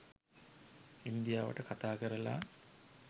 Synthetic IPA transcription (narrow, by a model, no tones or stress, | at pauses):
ind̪ijaːʋə̰ʈəkat̪aːkəɾəla̰